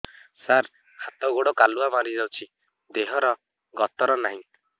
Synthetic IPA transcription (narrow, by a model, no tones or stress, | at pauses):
saɾ | hat̪ɔɡoɽɔkaluamaɾid͡ʒawt͡ʃʰi | d̪eɦɔɾɔ | ɡɔt̪ɔɾɔnaɦĩ